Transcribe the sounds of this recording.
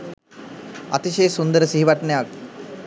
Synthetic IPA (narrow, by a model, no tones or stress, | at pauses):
a̰t̪iʃeːsund̪əɾəsiɦiʋaʈnejak̚